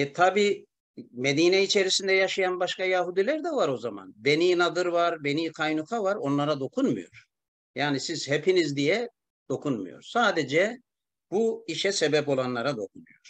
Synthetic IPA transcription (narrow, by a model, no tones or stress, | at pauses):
ɛt̪ʰabiː | me̞d̪iːnɛit͡ʃʰe̞ɾisind̪ɛjaʃajanbaʃkajaɦud̪ilʲæɾd̪ɛvaɾo̞zama̰nbe̞niːnad̪ɯɾvaɾbe̞niːkʰajnukʰavaɾo̞nlˠaɾad̪o̞kʰunmṵjo̞̰ɾ̥ | jaːnisiz̥hepʰinizd̪ijɛ | d̪̥o̞kʰunmṵjo̞̰ɾsaːd̪ed͡ʒɛ | buiʃɛsebɛpo̞lˠanlˠaɾad̪o̞kʰunujo̰ɾ̥